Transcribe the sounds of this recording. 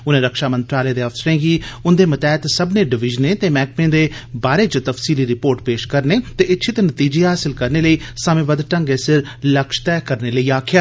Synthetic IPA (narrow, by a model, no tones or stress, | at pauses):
ʊnẽːɾəkʃaːmənt̪ɾaːleːd̪eːəfsəɾẽːɡiːʊnd̪eːmət̪ɛːt̪səbneːɖɪʋɪʒənẽːt̪eːmɛːk̚pẽːd̪eːbaːɾeːt͡ʃət̪əfsiːliːɾɪpoːɾʈpeːʃkəɾneːt̪eːɪt̪ːʃʰɪt̪nət̪iːd͡ʒeːɦaːsɪlkəɾneːləiːsəmẽːbəd̪ʈə̃ŋɡeːsɪɾ | ləkʃt̪ɛːkəɾneːləiːaːkʰjaː